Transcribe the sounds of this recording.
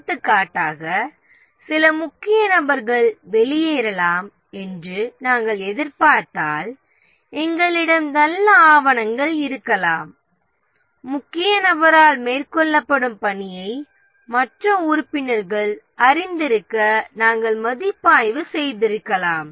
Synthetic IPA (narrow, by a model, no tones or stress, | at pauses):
t̪ːɯkːaːʈːaːɣɐ | sɪlɐmʊkːɪjɐnɐbɐɾɣɐɭʋɛlɪjeːɾɐlaːm | ɛndrɯnaːŋɡɐɭɛðɪɾpaːɾʈːaːl | ɛŋɡɐɭɪɽɐmnɐlːɐaːʋɐnɐŋɡɐɭɪɾɯkːɐlaːm | ʊkːɪjɐnɐbɐɾaːlmeːrkɔɭːɐpːɐɽɯmpɐɳɪjɐɪ | mɐʈrɐʊɾɯpːɪnɐɾɣɐɭ | ɐɾɪnd̪ɪɾɯkːɐnaːŋɡɐɭmɐðɪpːaːjʋɯsɛjðɪɾɯkːɐlaːm